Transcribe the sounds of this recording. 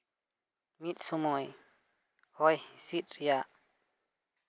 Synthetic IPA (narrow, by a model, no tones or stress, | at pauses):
mit̪̚sumɔj | hɔjhisit̪̚ɾijaʔ